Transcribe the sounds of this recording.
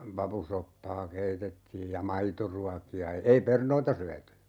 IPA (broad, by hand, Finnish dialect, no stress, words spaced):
pɑpusopːɑː keitetːiːj jɑ mɑitoruɑkiɑ ei pernoitɑ syæty